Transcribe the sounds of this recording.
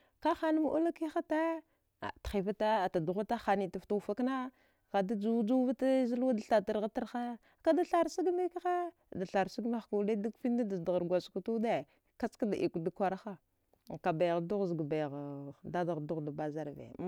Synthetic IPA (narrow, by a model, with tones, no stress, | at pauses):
ka˦xa˦na˦m˦ʔṵ˦la˦ki˦xa˦ta˦ | a̰˨txi˨va˦ta˦˨ta˨du˨ɣa˦ta˦xa˨ni˨ta˨fta˦u˨fa˦kna˦ | ka˨da˦d͡ʒu˦d͡ʒu˦va˦ta˦zi˦lwa˦da˨ɬa˨ta˨ɾɣa˦ta˦ɾxa˦ | ka˦da˦ɬa˦ɾsu˦ɡme˦kxa˦˨ | da˨ɬa˨ɾsu˦ɡma˦xka˨da˦da˦ɡfi˦n˦da˦da˨dɣa˨ɾɡʷa˨sku˨tu˦de˦ | ka˦t͡ska˦da˨ʔi˨ku˨da˦kʷa˨ɾa˦xa˦˨ | ka˨ba˨jɣdu˦ɣzɡba˨jɣda˦da˨ɣdu˦ɣda˨ba˦za˦ɾvḛ˨